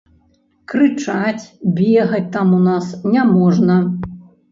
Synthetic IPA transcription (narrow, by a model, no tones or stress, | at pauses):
kɾɨt͡ʂat͡sʲbʲɛɣɐt͡sʲt̪amunasnʲamɔʐnɐ